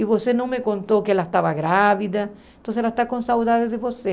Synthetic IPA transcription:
iβosenõŋmekont̪okeelaest̪aβaɣɾaβiða | nt̪õnseelaest̪akonsawðaðeðeβose

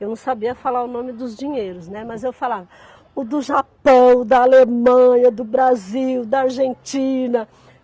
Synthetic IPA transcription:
ewnɐ̃w̃sabiɐfalaɾʊnõmɪd̪ʊzd͡ʒiɲejɾʊznɛmɐzewfalavɐ | ʊd̪ʊʒapɐ̃w̃d̪ɐːlemɐ̃ɲɐd̪ʊbɾaziwd̪ɐaɾʒẽnt͡ʃĩnɐ

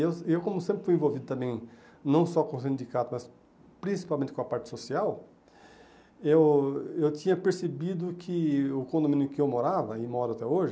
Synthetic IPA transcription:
ewewkõmʊsẽmpɾɪfujẽvowvid̪ʊt̪ɐ̃mbẽj̃ | nɐ̃w̃sɔkõsĩnd̪ikat̪ʊmɐs | pɾĩsi̥pawmẽnt̪ɪkõɐpaɾt͡ʃɪ̥sosiaw | ewewt̪ĩɲɐpeɾsebid̪ʊkʰɪʊkõnd̪omĩnjʊkɪewmoɾavɐɪmɔɾʊat̪ɛoʒɪ

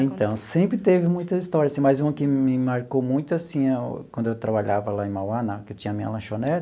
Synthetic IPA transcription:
ẽnt̪ɐ̃w̃sẽmpɾɪt̪evɪmũj̃t̪ɐist̪ɔɾiɐasĩmɐjzũmɐkɪmɪmaɾkowmũj̃t̪ʊasĩa̰wɐ̃d̪ʊewt̪ɾabaʎavɐlaẽmawɐ̃nakɪewt͡ʃĩɲɐmĩɲɐ̰lɐ̃ʃonɛt̪

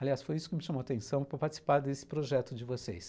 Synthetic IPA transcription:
aliasfojisʊ̥kɪmɪʃɐ̃mowat̪ẽsɐ̃w̃pɾɐpaɾt͡ʃɪ̥si̥paɾd̪esɪ̥pɾoʒɛt̪ʊd͡ʒɪvosḛs

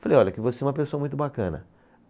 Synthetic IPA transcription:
falejɔʎɐkɪvoseɛũmɐp̬esoɐmũj̃t̪ʊbakɐ̃nɐ̰

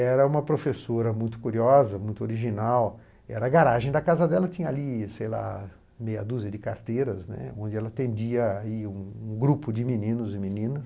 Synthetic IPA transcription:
ɛɾɐũmɐpɾofesoɾɐmũj̃t̪ʊ̥kuɾiɔzɐmũj̃t̪ʊoɾiʒinaw | ɛɾɐɡaɾaʒẽj̃d̪ɐkazɐd̪ɛlɐt͡ʃĩɲɐalisejla̰ | mejɐd̪uzɪd͡ʒɪkaɾt̪eɾɐznɛ̰õnd͡ʒɪɛlɐat̪ẽnd͡ʒiɐaiũũɡɾupʊd͡ʒɪminĩnʊzɪminĩnɐs

